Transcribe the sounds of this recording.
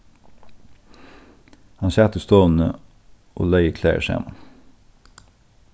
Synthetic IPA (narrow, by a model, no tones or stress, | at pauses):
hɑnçæt̪əst̪oːn̩ə | ʔo̰ːlæɪəkʰlḛːə̰ʃḛːmɑn